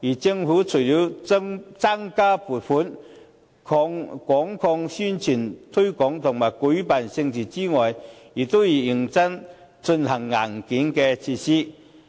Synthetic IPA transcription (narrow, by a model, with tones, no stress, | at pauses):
ji˨˩t͡si˧ŋfuː˨˥t͡sʰu˨˩li˨˥wt͡sa˥ŋkaː˥pu˨˩t̚fʰu˨˥n | kʰɔ˧ŋkʷɔ˨˥ŋkʰɔ˧ŋsy˥nt͡sʰi˨˩nt̪ʰɵ˥jkɔ˨˥ŋt̪ʰʊ˨˩ŋmaː˨˩jku˨˥jpa˨˩nsɪ˧ŋt͡sʰi˨˩t͡si˥ŋɔː˨ji˨˩t̪o˥wjiː˨˩ji˨˩ŋt͡sɐ˥ŋ | t͡sə˧nhɐ˨˩ŋːa˨˩ŋki˨˥ŋkɛ˧t͡sʰi˧si˥